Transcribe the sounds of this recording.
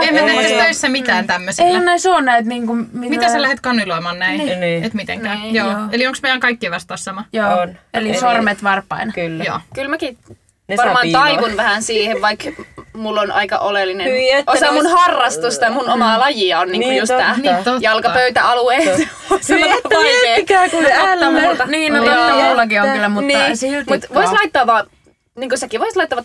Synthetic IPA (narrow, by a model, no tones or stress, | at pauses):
emæt̪eæst̪æisːæmiæːnt̪æmːøsiehænnæisoːnnæit̪niːŋkummitmiæssælæhet̪kɑnːiloˑmɑːnnæinːet̪mit̪ḛŋkæːjoːelioŋksmejæŋkɑikːiʋɑst̪ɑːssɑmɑjoːnelisormet̪ʋɑrpːˑɑ̰inkylːjo̰ːkylmæki | nʋɑrmɑːnɑiʋunʋæhænsiːheʋʋɑikmulːonʔɑ̰ikɑ̰ʔolelːineosɑmunhɑrːɑst̪ust̪ɑjmunomɑlɑjiɑonniːŋkujust̪t̪æːnt̪jɑlkɑpøyt̪æɑlueːs | set̪ːeːkækuæːlːɑult̪ɑniːnooɑulːɑkiokkylːæmuniːsilt̪mut̪ʋoislɑit̪ːɑːʋɑː | niːŋkosækiʋoislɑit̪ːɑʋɑ